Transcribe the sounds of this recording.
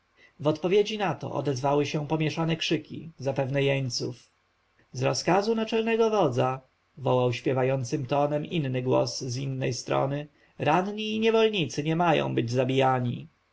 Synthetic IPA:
vɔt̪pɔvʲjed͡ʑinat̪ɔ̰ʔɔ̰d̪ɛzvawɘɕɛpɔmʲjɛʂanɛkʂɘkʲḭzapɛvnɛjɛɲt̪suf | zɾɔskazunat͡ʂɛlnɛɡɔvɔd̪za | vɔwawɕpʲjɛvajɔnt̪sɘmt̪ɔnɛminːɘɡwɔ̰szinːɛjst̪ɾɔ̰nɘ | ɾanɲiːɲɛvɔlɲit̪sɘɲɛmajɔ̰̃w̃bɘd͡ʑzabʲijaɲi

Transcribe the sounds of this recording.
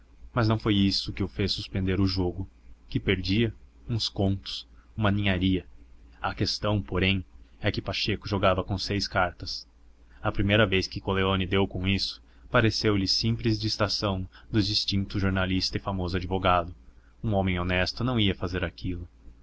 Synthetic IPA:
mɐznɐ̃w̃fojisʊkɪʊfesːuspẽnd̪eɾʊʒoɡʊkɪpeɾd͡ʒiɐ | ũskõnt̪ʊ̥sũmɐnĩɲaɾiɐɐkest̪ɐ̃w̃poɾẽj̃ɛkɪpaʃekʊʒoɡavɐkõsejskaɾt̪ɐs | ɐpɾimejɾɐveskɪkoleõnɪd̪ewkõisʊ̥ | paɾesewʎɪsĩmplɪzd͡ʒɪːst̪asɐ̃w̃d̪ʊd͡ʒist͡ʃĩnt̪ʊʒoɾnalist̪ɐɪfamozʊad͡ʒivoɡad̪ʊ | ũõmẽj̃onɛst̪ʊnɐ̃w̃iɐfazeɾakilʊ

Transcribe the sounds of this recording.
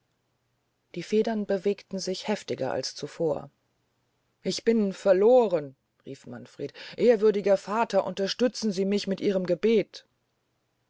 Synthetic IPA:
d̥iːfeːdɐnbəveːktn̩zɪçhɛftɪɡɐ̰ʔa̰lst͡sufoːɐ̰ | ʔɪçb̥ɪnfɛɐloːʁən | ʁiːfmanfʁ̥eːtʔeːɐvʏɐdɪɡɐfaːtʰɐʔʊ̰ntɐʃtʏt͡sn̩ziːmɪçmɪtʔiːʁ̞əmɡəbeːt

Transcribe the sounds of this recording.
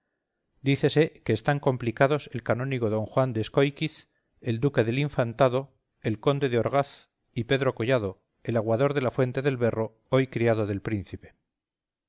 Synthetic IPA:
d̪iθe̞se̞ke̞ːst̪aŋko̞mplikað̞o̞se̞lkanõ̞niɣo̞ðo̞ŋxwand̪esko̞jkiθ | e̞ld̪uke̞ðe̞liɱfant̪aðo̞ | e̞lko̞nd̪e̞ðeo̞ɾɣ̞aθ | ipe̞ðɾo̞ko̞ʝað̞o̞ | e̞laɣwaðo̞ɾðe̞lafwe̞nt̪e̞ðe̞lβe̞ro̞ | o̞jkɾiaðo̞ðe̞lpɾin̟θipe̞̥

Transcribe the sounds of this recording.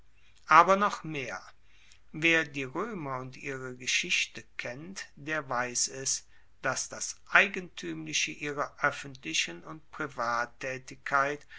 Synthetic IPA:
ʔaːbɐnɔχmeːɐ | veːɐdiːʁøːmɐʊntʔiːʁəɡəʃɪçtəkʰɛntd̥eːɐvaɪsɛs | d̥asd̥asʔaɪɡəntʰyːmlɪçəʔiːʁɐʔœfən̩tlɪʃənʊntpʁ̥ivaːtʰːɛːtɪkʰːaɪt

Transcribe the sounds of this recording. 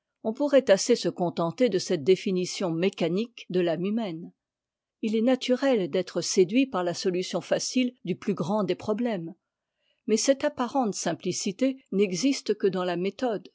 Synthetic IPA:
ɔ̃puʁɛt̪asesəkɔ̃t̪ɑ̃t̪ed̪əsɛt̪̚d̪efinisjɔ̃mekanikd̪əlamymɛn | ilɛnat̪ʰyʁɛld̪ɛt̪χəsed̪ɥipaʁlasɔlysjɔ̃fasild̪yplyɡʁɑ̃d̪epχɔblɛm | mɛsɛt̪apaʁɑ̃t̪sɛ̃plisit̪enɛɡzist̪kəd̪ɑ̃lamet̪ɔd̪

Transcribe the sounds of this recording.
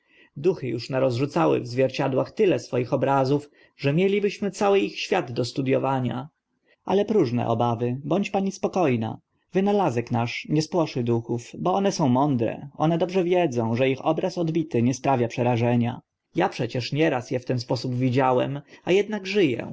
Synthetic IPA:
d̪uxɘjuʂnaɾɔzʐut̪sawɘ̰vzvʲjɛɾt͡ɕad̪waxt̪ɘlɛsfɔjixɔbɾazuf | ʐɛmʲjɛlʲibɘɕmɘt̪sawɘixɕfʲjad̪d̪ɔst̪ud̪jɔvaɲa̰ | ʔalɛpɾuʐnɛ̰ʔɔ̰bavɘbɔɲt͡ɕpaɲispɔkɔjna̰ | vɘnalazɛknaʂɲɛspwɔʂɘd̪uxufbɔɔnɛsɔ̃w̃mɔnd̪ɾɛ̰ʔɔnɛd̪ɔbʐɛvʲjɛd̪zɔ̃w̃ʐɛixɔbɾasɔd̪bʲit̪ɘɲɛspɾavʲjapʂɛɾaʐɛɲa̰ | japʂɛt͡ɕɛʂɲɛɾasjɛft̪ɛnspɔsubvʲid͡ʑawɛ̰majɛd̪naɡʐɘjɛ̰

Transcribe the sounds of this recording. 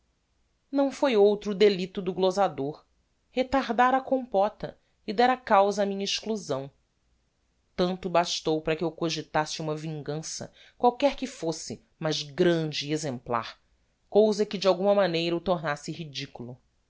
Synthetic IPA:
nɐ̃w̃fojowt̪ɾʊd̪elit̪ʊd̪ʊɡlozad̪oɾ | het̪aɾd̪aɾɐkõpɔt̪ɐ | id̪ɛɾɐkawzɐːmĩɲɐiʃkluzɐ̃w̃ | t̪ɐ̃nt̪ʊbaʃt̪owpɾɐkɪewkoʒɪt̪asɪũmɐvĩŋɡɐ̃sɐ̰ | kwawkɛɾkɪfosɪ | mɐʒɡɾɐ̃d͡ʒɪːezẽmpla̰ɾ | kowzɐkɪd͡ʒɪawɡũmɐmanejɾɐut̪oɾnasɪhid͡ʒikulʊ

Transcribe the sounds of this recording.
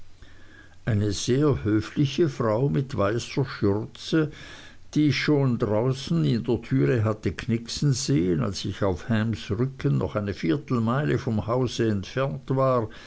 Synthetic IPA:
ʔaɪnəz̥eːɐhøːflɪçəfʁaʊmɪtv̥aɪsɐʃʏʁt͡sə | d̥iːʃoːndʁaʊsn̩ɪndeːɐtʰyːʁəɦatəkʰnɪksn̩z̥eːəna̰lsɪçaʊfhɛmsʁʏkənnɔ̰χaɪnəfiːɐtl̩maɪləfɔmhaʊzəɛntfɛɐntv̥aːʁ

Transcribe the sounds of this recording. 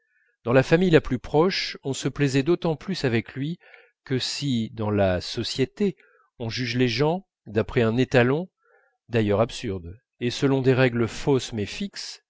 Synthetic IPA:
d̪̥ɑ̃lafamijlaplypχɔʃɔ̃səplɛzɛd̪ot̪ɑ̃plysavɛklɥi | kəsid̪ɑ̃lasɔsjet̪e | ɔ̃ʒyʒleʒɑ̃ | d̪apχɛɛ̃net̪alɔ̃ | d̪ajœʁapsyʁd̪ | esəlɔ̃d̪eʁɛɡləfosmɛfiks

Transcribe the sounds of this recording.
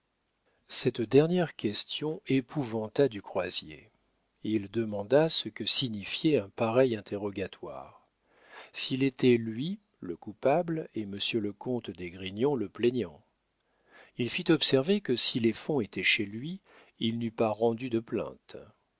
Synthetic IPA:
sɛt̪d̪ɛʁnjɛʁkʲɛst̪jɔ̃epʰuvɑ̃t̪ad̪ykχwazjḛ | ild̪əmɑ̃d̪asəkəsiɲifjɛɛ̃paʁɛjɛ̃t̪ʰeʁɔɡʲat̪wa̰ːʁ | silet̪ɛlɥi | ləkupableməsjøləkɔ̃t̪d̪eɡʁiɲɔ̃ləpleɲɑ̃ | ilfit̪ɔpsɛʁvekəsilefɔ̃et̪ɛʃelɥi | ilnypaʁɑ̃d̪yd̪əplɛ̰̃t̪

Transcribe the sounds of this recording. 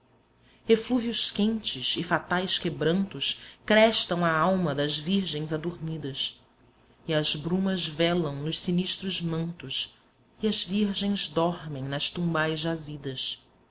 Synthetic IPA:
efluviʊʃkẽnt͡ʃɪʃɪfat̪ajskebɾɐ̃nt̪ʊskɾɛʃt̪ɐ̃w̃aawmɐd̪ɐzviɾʒẽj̃zad̪oɾmid̪ɐs | ɪɐzbɾũmɐzvɛlɐ̃w̃nʊʃsiniʃt̪ɾʊzmɐ̃nt̪ʊs | ɪɐzviɾʒẽj̃zd̪ɔɾmẽj̃nɐʃt̪ũmbajzʒazid̪ɐs

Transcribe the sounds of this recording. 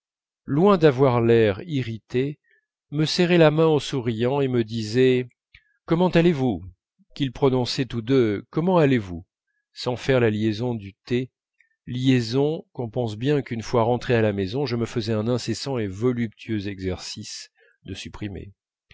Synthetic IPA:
lwɛ̃d̪avwaʁlɛʁiʁit̪e | məsɛʁɛlamɛ̃osuʁijɑ̃eməd̪izɛ | kɔmɑ̃t̪alevu | kʲilpχɔnɔ̃sɛt̪ud̪økɔmɑ̃alevu | sɑ̃fɛʁlaljezɔ̃d̪yt̪e | ljezɔ̃kɔ̃pɑ̃s̬bjɛ̃kynfwaʁɑ̃t̪χealamezɔ̃ʒəməfəzɛɛ̃nɛ̃sesɑ̃evɔlyp̚t̪ʰyøzɛɡzɛʁsis | d̪əsypχimḛ

